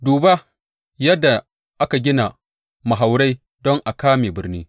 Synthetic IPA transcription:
duː˨ba˦ | jɐ˦dːa˨ | ʔa˦ka˨ɡʲɪ˦na˨ | ma˨ɦa˨wɽa˦j | dɔ˦ŋʔa˨kaː˦meː˨bɪ˦rniː˦

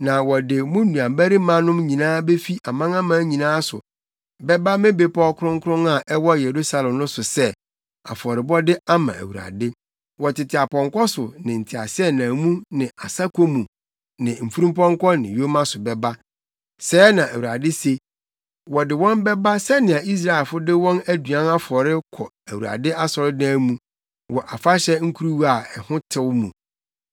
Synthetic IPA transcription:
nã˨wɔ˨dɪ˨mũ˦nũ˨ã˨mbæ˦ɾi˦mã˦nʊ̃˦mɲĩ˨nãː˦be˦fi˦ʔa˨mã˦ŋã˦mã˨˦ɲĩ˨nãː˦sʊ̰˨ | bɛ˦ba˦mẽ˦be˦pɔ˦kʰʊ˦ɾʊ̃˦ŋ˦kʰʊ˦ɾʊ̃˦na˨ʔɛ˦wɔ˦je˨ɾu˦sa˦lɛ̃˨mnʊ̃˦sʊ˨sɛ˦ | a̰˨fɔ˨ɾɪ˨bɔ˦dɪ˦a˦mã̰˨æ̰˨wu˨ɾa̰˨dɪ˦ | wɔ˨tɪ˨tʰɪ˨a˨pʰɔ̃˨ŋ˨kʰɔ˦sʊ˨nɪ̃˨n̩˨tʰi˨a̰˨sɪ˦ɛ˦nã˨mũ˦nɪ̃˨ʔa˨sa˦kʰo˦mũ˨ | nɪ̃˨m̩˨fu˦ɾũ˦mpɔ̃˦ŋ˦kʷɔ˦nɪ̃˨jo˦mã˦sʊ˨bɛ˦ba˦ | sɛː˨˦nã˨ʔæ˨wu˨ɾa˨dɪ˦se˦ | wɔ˨dɪ˨wɔ̃˦mbɛ˦ba˦sɛ˦nɪ̃˨a˨i˦s̬ɾa˨ɪ˨lfʊ˦dɪ˦wɔ̃˦næ˦du˨ã˦na˦fɔ˨ɾɪ˦kʰɔ˨ | æ˨wu˨a̰˨dɪ˦a˦sɔ˨ɾɪ˦dãː˦mũ˦ | wʔɔ˨ʔa˨fa˦ɕɛ˦ŋ̩˦kʰu˦ɾu˦wa˨ɛ˨hʊ̃˦tʰɪ˦wmũ˨

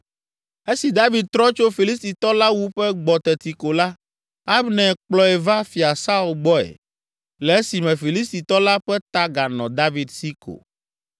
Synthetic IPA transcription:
e˦si˨d̪a˦vi˨d̪̚t̪ɾɔ˦t͡ʃo˦fi˨li˦st̪i˨t̪ɔ˦la˦wu˦ɸɛ˦ɡ͡bɔ˨t̪ɛ˨t̪i˨ko˨la˦ | a˦bnɛ̃˨k͡plɔ˦ɛ˨va˦fi˨a˨sa˦u˨lɡ͡bɔ˦ɛ̰˨ | lɛ˨e˦si˨mɛ̃˨fi˨li˦st̪i˨t̪ɔ˦la˦ɸɛ˦t̪a˦ɡa˨nɔ̃˨d̪a˦vi˨d̪si˦ko̰˨

